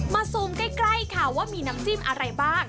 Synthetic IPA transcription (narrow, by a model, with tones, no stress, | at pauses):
maː˧soː˧˩mka˥˩kla˥˩jkʰa˧˩waː˥˩miː˧naː˦˥mt͡ɕiː˥˩mʔa˧ɾa˧jbaː˥˩ŋ̚